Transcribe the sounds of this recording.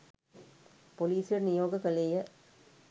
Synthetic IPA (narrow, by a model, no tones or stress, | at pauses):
pɔliːsɪɾnɪjoːɣɐkːɐɭejɐ